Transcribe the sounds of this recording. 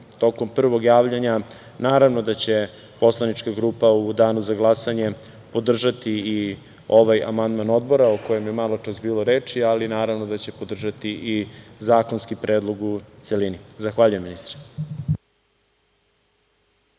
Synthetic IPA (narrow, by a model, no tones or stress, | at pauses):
t̪o̞ko̞mpr̩ʋo̞ɡjaːʋʎaɲa | naːɾaʋno̞d̪at͡ɕe̞ | po̞slˠanit͡ʃkaɡɾuːpaud̪aːnuzaɡlˠasaɲe̞ | po̞d̪r̩ʒat̪ii | oʋaja̰mand̪mano̞d̪̚bo̞ɾaoko̞je̞mjemalˠot͡ʃasbiːlˠoɾeːt͡ʃialinaːɾaʋnod̪at͡ɕe̞po̞d̪r̩ʒat̪iʔizaːkonskipɾeːd̪lˠo̞ɡut̪se̞linizaxʋaːʎujeminist̪ɾ